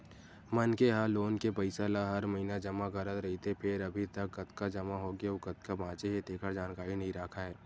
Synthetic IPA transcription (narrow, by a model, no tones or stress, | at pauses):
mɐnkeɦaːloːnkepɐɪsaːlaɦɐɾmɐɦinad͡ʒɐmaɣɐɾət̪ɾɐɦit̪epʰɪɾɐbʱit̪ɐkːɐt̪kad͡ʒɐmaɦoɡeokɐt̪kabʱãːt͡ʃeɦet̪eːkʰəɾd͡ʒaːnkaːɾinɐɦĩɾaːkʰaɦɛː